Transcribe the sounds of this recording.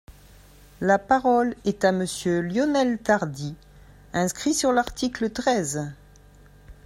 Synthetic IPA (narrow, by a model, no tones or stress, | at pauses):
lapaʁɔlɛt̪aməsjøljɔnɛlt̪aʁd̪i | ɛ̃skχisyʁlaʁt̪iklət̪χɛz